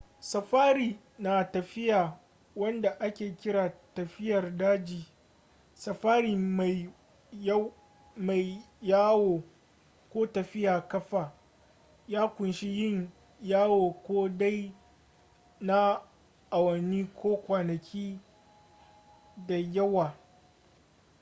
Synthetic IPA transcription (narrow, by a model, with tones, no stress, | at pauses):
sɐ˨ɸaː˦ɾiː˨ | naː˨tɐ˨ɸɪ˦jaː˨ | wɐ˦nda˨ʔa˦kʲeː˨kʲɪ˦ɽaː˨tɐ˨ɸɪ˦jɐ˨rdaː˦d͡ʒiː˨ | sɐ˨ɸaː˦ɾiː˨ma˨˦ | ma˨j | jaː˦woː˨ | kʷoː˦tɐ˨ɸɪ˦jaː˨kɐ˦ɸaː˨ | jaː˦kʷʊ˨nʃi˦jɪ˦˨ɲ | jaː˦woː˨kʷoː˦da˦j | na˦ | ʔa˨wɐ˨niː˦kʷoː˦kʷaː˨nɐ˨kʲʰiː˦ | da˨jɐ˦waː˨